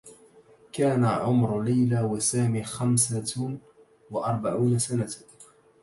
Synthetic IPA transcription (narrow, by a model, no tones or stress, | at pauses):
kaːnaʕʊmɾlajlaːwasaːmiːxamsa | waʔɑɾˤbaʕuːnasana